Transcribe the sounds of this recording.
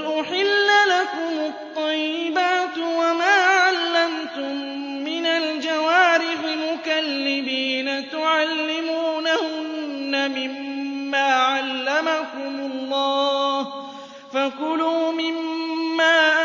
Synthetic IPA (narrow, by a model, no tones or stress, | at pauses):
ʔʊħɪlːalakʊmʊt̪ˤːɑjːɪbaːt̪wamaːʕalːamt̪ʊmː | ɪnald͡ʒawaːɾɪħɪmʊkalːɪbiːnat̪ʊʕalːɪmuːnahʊnːamɪmːaːʕalːamakʊmʊlːɑːh | fakʊluːmɪmːaːʔ